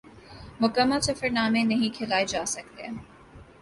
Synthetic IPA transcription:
mʊkəmːasɪfəɾnaːmẽnɐɦĩkʰɪlaːed͡ʒaːsɐk̚t̪eɛ

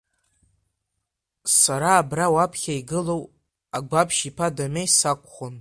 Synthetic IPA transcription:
saɾaːbrawapʰχʲaiɡɨlo̞w | aɡʷapʰʃipʰadamejsakʷʰʼχʷʊn

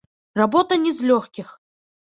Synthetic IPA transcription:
rabɔt̪ɐnʲɛzʲlʲɔxkʲix

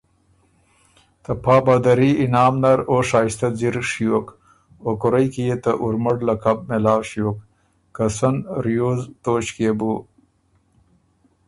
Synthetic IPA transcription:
t̪əpʰɑːbaːd̪aɾiɪnɑːmnaɾoʂaːst̪aziɾʂijok | okʊɾajkijet̪əʔuɾmɐɽlakab̚melɑːwʂijoːk̚ː | asɐnɾijoːzt̪oːɕkebu

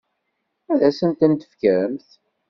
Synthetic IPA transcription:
æðæsənt̪ənt̪ə̥fkəɾəmθ

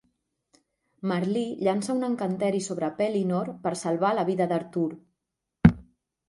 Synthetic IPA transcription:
məɾliʎansəunəŋkənt̪ɛɾisoβɾəpɛlinoɾpəɾsəlˠβ̞aləβ̞iðəðəɾt̪uɾ

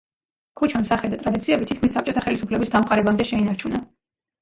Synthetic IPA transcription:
kʰut͡ʃʰamsaχɛd̪at̪ʼɾad̪it̪sʰiɛbit̪ʰit̪̚kʰmisːap̚t͡ʃʼɔt̪ʰaχɛlisupʰlɛbisd̪amqʼaɾɛbamd̪ɛʃɛinaɾt͡ʃʰuna

